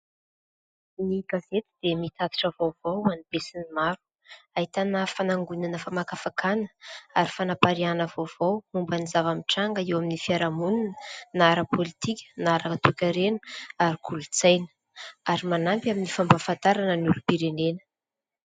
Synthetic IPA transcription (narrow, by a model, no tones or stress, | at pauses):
niɡazet̪id̪̥emit̪at̪i̥ʈ͡ʂəvovawanib̥esinimaɾu̥ | aɦit̪anafanaŋɡunanəfamakafakʰanə̥aɾifanapaɾianəvov̥awumbanizavamiʈ͡ʂaŋɡəewaminifiaɾamuninənaɾəpolit̪ikʲə̥naɾət̪ukʲaɾenə̥aɾikʰulut͡sajnə̥ | aɾimanampaminifambafant̪aɾanənulupiɾenenə̥